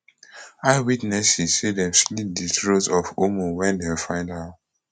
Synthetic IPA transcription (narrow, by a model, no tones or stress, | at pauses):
aɪwitnɛsizsedɛ̃mslit̚ditɹotsɔfomuwɛ̃ndefãɪ̃ndaʊ